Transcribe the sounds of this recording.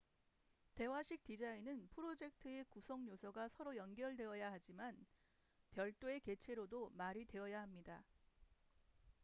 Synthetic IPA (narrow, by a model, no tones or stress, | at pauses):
te̞waɕʰik̚t͈id͡ʑainɯnpʰɯɾod͡ʑe̞k̚tʰɯe̞kusʰʌŋɲosʰʌɡasʰʌɾojʌnɡjʌɭdwe̞ʌjaɦad͡ʑiman | pjʌɭt͈oe̞ke̞t͡ɕʰe̞ɾodomaɾitwe̞ʌjaɦamɲida